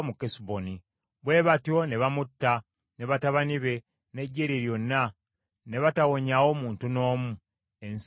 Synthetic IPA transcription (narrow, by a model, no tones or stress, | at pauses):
mukesboni | βwe̞βatio̞ne̞βamutːa | ne̞βataβaniβe̞ | ne̞ɟːeɾiɾjo̞nːa | ne̞βatawo̞ɲawo̞muːntuno̞ːmu | ens